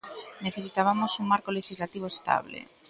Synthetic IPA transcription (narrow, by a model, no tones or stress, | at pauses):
neθesit̪aβamosuŋmaɾkoleʃizlat̪iβ̞oest̪a̰βlḛ